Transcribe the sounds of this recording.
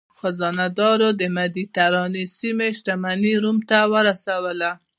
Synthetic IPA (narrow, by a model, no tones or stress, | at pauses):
xazɑnad̪ɑɾod̪əmad̪it̪aɾɑnisimeʃʈamaniɾumt̪awəɾasawəla